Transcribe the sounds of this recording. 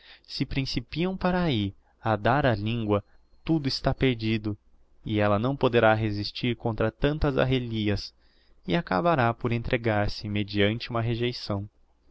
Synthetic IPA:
sɪpɾĩsipiɐ̃w̃paɾai | ad̪aɾɐlĩŋɡwɐ | t̪ud̪ʊɪst̪apeɾd͡ʒid̪ʊ | ɪɛlɐnɐ̃w̃pod̪eɾaɦezist͡ʃiɾkõnt̪ɾɐt̪ɐ̃nt̪ɐza̰ɦeliɐs | ɪaka̰baɾapoɾẽnt̪ɾʔeɡaɾsɪmed͡ʒiɐ̃nt͡ʃɪũmɐɦeʒejsɐ̃w̃

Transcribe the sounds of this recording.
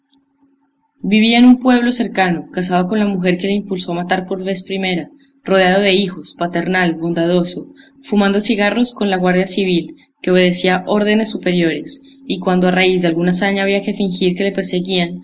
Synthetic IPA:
biβiaenumpwe̞β̞lo̞se̞ɾkano̞kas̬að̞o̞ko̞nlamuxe̞ɾke̞le̞impulso̞amat̪aɾpo̞ɾβe̞spɾime̞ɾa | ro̞ðeað̞o̞ðe̞ixo̞spat̪e̞ɾnalbo̞nd̪að̞o̞so̞ | fumãnd̪o̞siɣaro̞sko̞nlaɣwaɾðjasiβil | ke̞o̞βe̞ðe̞siaʔo̞ɾðe̞ne̞sːupe̞ɾjo̞ɾe̞s | ikwand̪oaraizd̪e̞alɡunasaɲaːβiake̞fiŋxiɾke̞le̞pe̞ɾse̞ɣian

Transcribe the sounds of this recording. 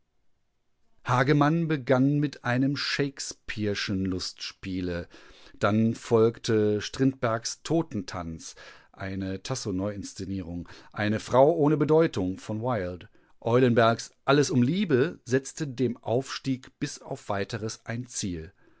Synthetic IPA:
haːɡəmanbəɡanmɪtʔaɪnəmʃeɪkspʰiɐʃənlʊstʃpiːləd̥anfɔlktʰəʃtʁ̥ɪnt̚b̥ɛɐkstʰoːtn̩tʰa̰nt͡sʔaɪnətʰasonɔʏɪnst͡seniːʁ̞ʊŋʔaɪnəfʁ̥aʊʔoːnəbədɔʏtʊŋfɔnwaɪlt | ʔɔʏlənbɛɐksʔaləsʊmliːbəzɛt͡stədeːmʔa̰ʊfʃtiːkb̥ɪsa̰ʊfv̥aɪtəʁəsʔaɪnt͡siːl

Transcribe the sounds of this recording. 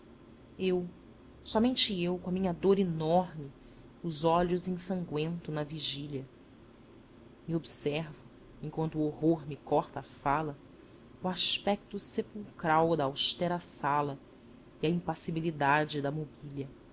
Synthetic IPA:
ew | sɔmẽnt͡ʃɪewkõɐmĩɲɐd̪oɾinɔɾmɪ | ʊzɔʎʊzĩsɐ̃ŋɡwẽnt̪ʊnɐviʒiʎɐ | miobsɛɾvʊ | ẽŋkwɐ̃nt̪ʊoɦoɾmɪkɔɾt̪ɐaːfalɐ | uaʃpɛk̚t̪ʊsepuwkɾawd̪ɐːwʃt̪ɛɾɐːsalɐ | iɐĩpasibilid̪ad͡ʒɪd̪ɐmobilɐ

